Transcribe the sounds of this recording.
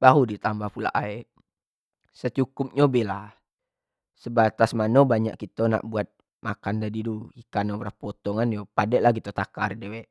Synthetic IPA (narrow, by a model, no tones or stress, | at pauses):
b̥aɦudit̪ambapula̰ʔaɛʔ | sət͡ʃukʊp̚ɲobela | səbat̪asmanobaɲa̰ʔkit̪ona̰ʔbuat̪̚ | makand̪adiduikanobɾapot̪ɔŋanjopadɛʔlaɡit̪ot̪akardewɛʔ